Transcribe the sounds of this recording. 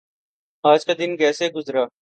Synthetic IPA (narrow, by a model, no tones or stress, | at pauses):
aːd͡ʒkad̪ɪnkɛːseɡʊzɾaː